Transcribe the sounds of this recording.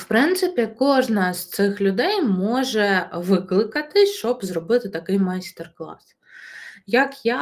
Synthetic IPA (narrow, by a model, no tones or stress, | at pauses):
wpɾɪnt̪sɪpʲikɔʐnɐst̪sɪxlʲʊd̪ɛjmɔʒɛʋɪklˠɪkɐt̪ɪʃt͡ʃɔbzrɔbɪt̪ɪt̪ɐkɪjmajst̪erklˠɑ̰s | jɐkja